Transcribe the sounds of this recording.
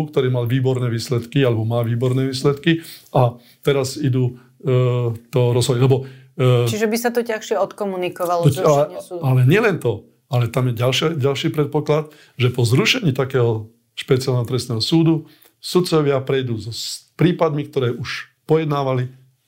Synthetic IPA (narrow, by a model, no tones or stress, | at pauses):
kt̪ɔɾiːmalʋiːbɔɾnɛːʋiːslɛt̪kialɛbɔmaːʋiːbɔɾnɛːʋiːslɛt̪kiʔa | t̪ɛɾazid̪uː | t̪ɔɾɔzɦɔjlɛbɔ | t͡ʃiʒɛbisat̪ɔcaxʃɪɛɔt̪kɔmunikɔʋalɔud̪alɛɲɪɛlɛnt̪ɔ | alɛt̪amjɛɟalʃɪaɟalʃiːpɾɛt̪̚pɔklat̪ | ʒɛpɔzɾuʃɛɲiːt̪akɛːɦɔ | ʃpɛt͡sialnɛɦɔt̪ɾɛst̪nɛːɦɔsuːd̪u | sut̪t͡sɔʋɪapɾɛjd̪uːzɔspɾiːpad̪mik̚t̪ɔɾɛːʔuʃ | pɔjɛd̪naːʋali